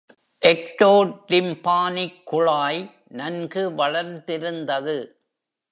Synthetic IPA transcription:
ʔɛk̚ʈoːlɪmpaːnɪkːʊɭaːj | nɐnɡɯʋɐɭɐɾt̪ɪɾɯnd̪ɐðɯ

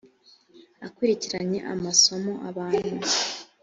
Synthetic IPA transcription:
akuɾiciɾaɲe̞̰ʔa̰maso̞mo̞ʔaβaːn̥hu

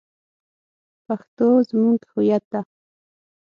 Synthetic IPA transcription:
paχt̪oːsmʊŋkɪ̥xʊjat̪a

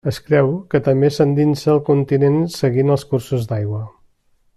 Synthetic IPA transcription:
əskɾɛwkət̪əmbesand̪insəːlˠkunt̪inensəɣinəlˠskursuzd̪ajɣwə

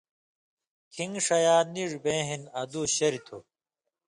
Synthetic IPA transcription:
kʰiŋʂɐjaːniʐbẽːɦinɐd̪uːɕɐɾit̪ʰo̰

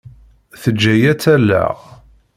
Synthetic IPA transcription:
θəd͡ʒːæjæt͡sːælːæ̰ʁ

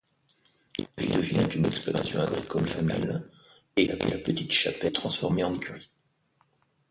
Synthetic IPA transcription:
ʒḭd̪əvinɛ̃t̪ynd̪ɛksploʁa̰sjɔ̃aɡʁikɔmfamil | elʔalapət̪it̪ʃapɛt̪χɑ̃sfɔʁmeɑ̃kʲʰyʁi

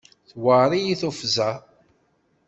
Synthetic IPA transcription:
θwəɾˤijiθufzæ

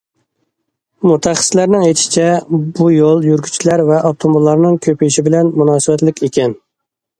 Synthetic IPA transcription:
mut̪ʰæχə̥slæɾnɪŋejt̪ʃi̥t͡ʃʰɛbujolˠjyɾɡʲy̥t͡ʃʰilæɾvɛʔɑb̚t̪ʰombulˠːɑɾnɨŋkʲʰøpijiʃibɪlɛnmunɑːsɨbɛt̪lɪkʲʰekʲɛn

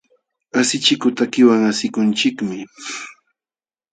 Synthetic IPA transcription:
asɪt͡ʃɪkʊt̪akɪwaŋasɪkʊnt͡ʃɪkmɪ

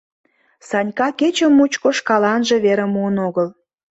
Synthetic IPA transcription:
sɑnʲkɑket͡ɕə̆mːut͡ɕkoʃkɑlɑnʒĕβeɾə̆muənoɣəl

